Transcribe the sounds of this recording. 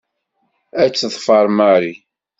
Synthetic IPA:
æt͡sːðˤfɑɾˤmaɾi

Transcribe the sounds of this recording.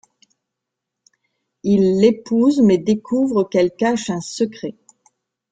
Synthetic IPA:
ilːepuzmɛd̪ekʰuvʁəkɛlkaʃɛ̃səkχɛ

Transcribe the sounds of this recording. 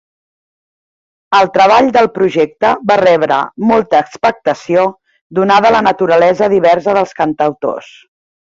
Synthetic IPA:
əlˠt̪ɾəβ̞aʎd̪əlˠpɾuʒek̚t̪əβarɛβɾə̰molˠt̪əːkspək̚t̪əsio | d̪unað̞ələnət̪uɾəlɛzəðiβɛrsəðəlˠskənt̪əwt̪o̰s

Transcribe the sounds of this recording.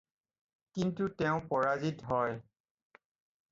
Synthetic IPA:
kintuteʊ̃pɔɹazitɦɔj

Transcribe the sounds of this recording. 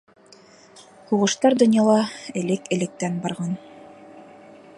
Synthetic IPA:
huʁɤ̆ʃt̪ɑɾd̪ŏnjɑlˠɑɘ̆lɘkɘ̆lɘ̆k̚t̪ænbɑɾʁɑn

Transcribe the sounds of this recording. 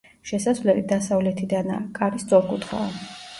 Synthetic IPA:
ʃɛsasvlɛlid̪asavlɛt̪ʰid̪ana̰kʼaɾist̪sʼɔɾkʼut̪ʰχa̰

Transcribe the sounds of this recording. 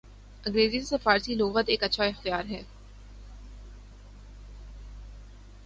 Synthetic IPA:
ɐ̃ŋɡɾeːzisesɐfaːɾsiloːɣət̪eːkɐtːʃʰaɪxt̪ijaːɾɦɛː

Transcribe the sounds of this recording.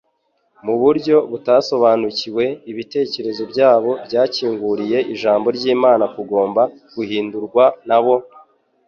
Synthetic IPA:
muβuɾɟo̞βutaso̞βaːnuciwe̞iβite̞ːce̞ɾe̞zo̞bɟaːβo̞bɟaːciːŋɡuɾije̞ʔiʒaːmbo̞ɾɟiːmaːnakuɡo̞ːmba | ɡ̥uhiːnduɾɡwanaβo̞

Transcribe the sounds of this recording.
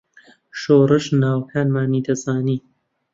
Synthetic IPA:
ʃoːrɨʃnaːwkʰaːnmaːniːd̪ɐzaːniː

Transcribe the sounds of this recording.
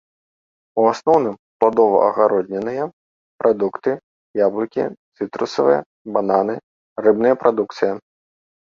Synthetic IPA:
uasnɔwnɨmplˠad̪ɔvɐ̰ʔɐ̰ɣaɾɔd̪ʲnʲɛnɨjɐ | pɾʔad̪ukt̪ɨ | jablˠɨkʲḭt̪sɨt̪ɾṵsɐvɨ̰jɐ̰ | bananɨ | rɛbnɨjɐpɾad̪uk̚t̪sɨjɐ

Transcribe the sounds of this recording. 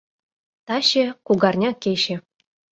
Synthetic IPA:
t̪ɑɕĕkuɡɑrnʲɑkʲeɕɘ̆

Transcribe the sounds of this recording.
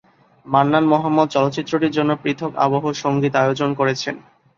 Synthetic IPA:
manːanmɔɦamːɔd̪̚t͡ɕɔlot̪ːɕit̪ːɾoʈiɾd͡ʑonːopɾit̪ʰoka̰boɦoʃoŋɡit̪ajod͡ʑonkoɾet͡ɕʰen

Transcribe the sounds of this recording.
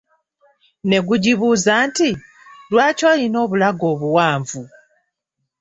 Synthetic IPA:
ne̞ɡuɟiβuːzaːnti | lwaːcoːjino̞ːβulaɡo̞ːβuwaːɱvu

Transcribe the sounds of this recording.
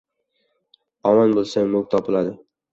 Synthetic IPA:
ɒmɒnbolˠsaŋmʊɡ̚ʲt̪ʰɒpʰɪlad̪ɪ

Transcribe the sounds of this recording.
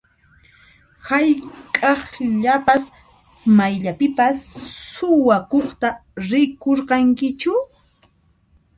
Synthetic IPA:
hajkʼɑχʎapas | majʎapɪpassʊwakoχt̪aɾɪkoɾqɑŋkɪt͡ʃʊ

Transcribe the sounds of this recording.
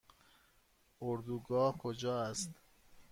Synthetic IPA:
oɾd̪uːɡɒːhkʰod͡ʒɒːæst̪

